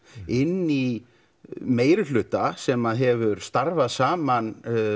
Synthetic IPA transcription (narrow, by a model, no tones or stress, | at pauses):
ɪnːi | meːjɾɪlʏːt̪asɛmaðɦɛvʏɾ̥st̪aɾvaðsaːman